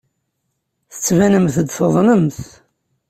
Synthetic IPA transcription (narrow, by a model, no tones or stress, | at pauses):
θə̥t͡sːvænəmθd̪θoðˤnəmθ